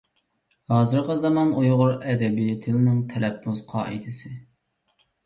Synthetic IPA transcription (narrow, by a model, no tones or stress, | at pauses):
hɑːzɨɾʁɑzɑmɑnojʁʊɾɛd̪ɛbit̪ʰɪlɪnɪŋt̪ʰɛlɛpːʊzqʰɑɛ̰jd̪ʰɪsɪ